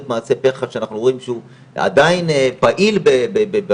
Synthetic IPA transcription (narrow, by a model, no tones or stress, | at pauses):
t̪maːsepeχaʃeanaχnuimʃeu | a̰d̪ainpaʔilbebebebe